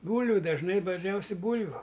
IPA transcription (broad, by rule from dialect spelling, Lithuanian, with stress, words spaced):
ˈbuːlʲʋʲʊ dɐʒˈnɐɪ dɐʒʲˈnʲɛʊsʲɛɪ ˈbuːlʲʋʲʊ